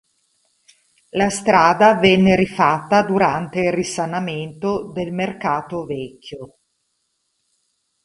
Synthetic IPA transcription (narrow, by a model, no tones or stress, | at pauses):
last̪ɾaːd̪avɛnːeɾifat̪ːad̪uɾant̪eilrisanament̪od̪elmerkaːt̪ovɛkʰʲːjo